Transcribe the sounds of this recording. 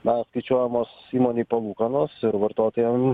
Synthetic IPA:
mʲɛsskɐɪt͡ʃʲuɔjɛmoːsiːmoːnʲiːpɐlˠuːkɐnoːsɪɾʋɐɾt̪oːt̪oːjɛm

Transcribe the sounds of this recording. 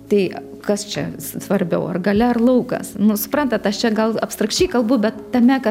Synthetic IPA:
t̪ɐɪ | kɐst͡ʃʲɛ̰ssʋɐrʲbʲɛʊɐrɡɐlʲɛɐrlˠɐʊkɐ̰snʊsʊ̥pɾɐnt̪ɐt̪ɐʃt͡ʃʲɛɡɐlˠɐpst̪ɾɐksʲt͡ʃʲɛɪkɐlˠbʊbʲɛt̪ːɐmʲɛkɐ

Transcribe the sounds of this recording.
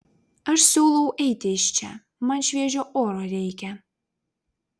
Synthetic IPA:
ɐʃsʲuːlˠɔʊʔɛɪt̪ʲɪɪʃʲt͡ʃʲɛ̰ | mɐnʃʲʋʲiɛʒʲoʔoːɾoɾʲɛɪkʲɛ

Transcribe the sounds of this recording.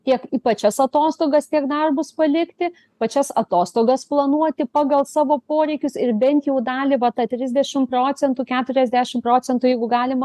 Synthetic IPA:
tʲiɛkipɐt͡ʃʲɛsɐt̪oːst̪oːɡɐst̪ʲiɛkd̪ɐrbʊspɐlʲɪkt̪ʲɪ | pɐt͡ʃʲɛsɐt̪oːst̪oːɡɐsplˠɐnuɔt̪ʲɪpɑːɡɐlˠsɑːʋoːpoːɾʲɛɪkʲʊsɪrbʲɛnʲt̪jɛʊd̪ɑːlʲɪʋɐt̪ɑt̪ʲɾʲɪzʲd̪ʲɛʃʲɪmproːt͡s̪sʲɛnt̪uːkʲæːt̪ʊɾʲɛzʲd̪ʲæːʃʲɪmproːt͡s̪ʲɛnt̪ujɛɪɡʊɡɑːlʲɪmɐ

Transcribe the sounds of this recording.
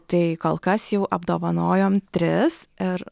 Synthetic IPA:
t̪ɐɪkoːlˠkɐsjɛʊʔɐbd̪oːʋɐnoːjoːmt̪ʲɾʲɪsɪɾ

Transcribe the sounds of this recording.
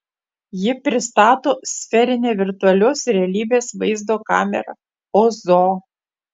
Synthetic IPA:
jɪpʲɾʲɪst̪ɑːt̪oːsʲfʲɛɾʲɪnʲeːʋʲɪɾt̪ʊɐlʲoːsɾʲɛɐlʲiːbʲeːsʋɐɪzd̪oːkɑ̰ːmʲɛ̰ɾɐ̰ | ozoː

